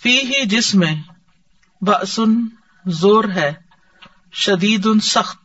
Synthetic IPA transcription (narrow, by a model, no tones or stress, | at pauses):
fiːɦid͡ʒɪsmẽ | bɐʔsʊn | zoːɾɦɛː | ʃɐd̪iːd̪ʊnsɐxt̪̚